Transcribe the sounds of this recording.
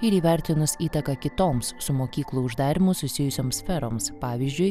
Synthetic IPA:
ɪɾiːʋʲæˑɾʲt̪ʲɪnʊsiːt̪ɐkɐkʲɪt̪oːmssʊmoːkʲiːklˠuʊʒd̪ɑːɾʲɪmʊsʊsʲɪjʊsʲoːmsʲfʲɛɾo̰ːmspɑːʋʲizʲd͡ʒʲʊj

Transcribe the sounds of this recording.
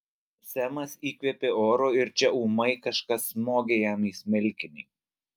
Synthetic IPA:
sʲæmɐsiːkʋʲɛːpʲeoːɾoːɪɾt͡ʃʲɛuːmɐɪkɐʃkɐsmoːɡʲejæmiːsʲmʲɛlʲkʲɪnʲɪː

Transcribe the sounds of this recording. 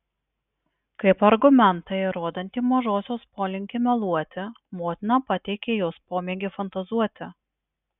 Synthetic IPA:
kɐɪpɐɾɡʊmʲɛnt̪ɐɪɾoːd̪ɐnʲt̪ʲiːmɐʒoːsʲoːspoːlʲɪŋʲkʲɪmʲɛlˠuɔt̪ʲɪ | moːt̪ʲɪnɐpɐt̪ʲɛɪkʲeːjoːspoːmʲeːɡʲefɐnt̪ɐzuɔt̪ʲɪ

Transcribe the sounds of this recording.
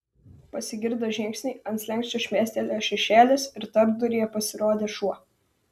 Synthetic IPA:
pɐsʲɪɡʲɪɾd̪ɐʒʲɪŋʲksʲnʲɛɪɐnt̪slʲɛŋksʲt͡ʃʲoʃʲmʲæːsʲt̪ʲelʲɛʃʲɛʃʲæːlʲeːsɪɾt̪ɐɾbd̪ʊɾʲɪjɛpɐsʲɪɾoːd̪ʲeːʃuɔ

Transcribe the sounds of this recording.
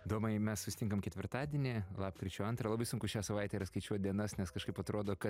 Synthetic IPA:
id̪oːmɐɪmʲɛssʊsʲɪt̪ʲɪŋkɐmkʲɛt̪ʲʋʲɪɾt̪ɑːd̪ʲiɛnʲɪlˠɑːpkɾʲɪt͡ʃʲoːɐnt̪ɾɐlˠɑbɐɪsʊŋkʊʃʲæːsɐʋɐɪt̪ʲɛiɾɐskɐɪt͡ʃʲuɔt̪̚ʲd̪ʲiɛnɐsnʲɛskɐʃkɐɪpɐt̪ɾoːd̪oːkɐ

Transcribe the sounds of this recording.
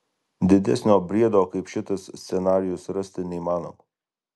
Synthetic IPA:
d̪ʲɪd̪ʲɛ̰sʲnʲoːbʲɾʲiɛd̪oːkɐɪpʃʲɪt̪ɐsʲsʲɛnɑːɾʲɪjʊsɾɐsʲt̪ʲɪnʲɛimɑːno̰ːmɐ

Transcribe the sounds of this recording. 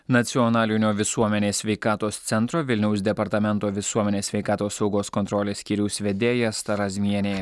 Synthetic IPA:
nɐt̪sʲɪɔnɑːlʲɪnʲoːʋʲɪsuɔmʲɛnʲeːsʲʋʲɛɪkɑːt̪oːst̪sʲɛnt̪ɾoːʋʲɪlʲnʲɛʊsd̪ʲɛpɐɾt̪ɐmʲɛnˑt̪oːʋʲɪsuɔmʲɛnʲeːsʲʋʲɛɪkɑːt̪oːsːɒʊɡoːskɔnt̪ɾɔːlʲeːsʲkʲiːɾʲuʊsʲʋʲɛd̪ʲeːjɛst̪ɐɾɐzʲmʲiɛnʲeː

